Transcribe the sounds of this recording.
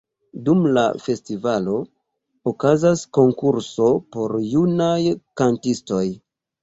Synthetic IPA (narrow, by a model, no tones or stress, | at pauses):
dumla̰fe̞stivalo̞ | okazasko̞ŋkuɾso̞po̞ɾjunajkantisto̞j